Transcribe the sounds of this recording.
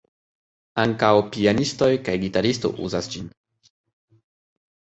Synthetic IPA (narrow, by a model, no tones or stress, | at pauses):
aŋkawpianisto̞jkajɡitaɾisto̰ʔṵzasd͡ʒin